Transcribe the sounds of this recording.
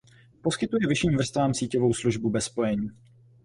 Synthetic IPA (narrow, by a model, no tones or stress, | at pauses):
po̞skɪt̪ujɛvɪʃiːmvr̩st̪vaːmsiːcovo̞wsluʒbubɛspo̞jɛɲiː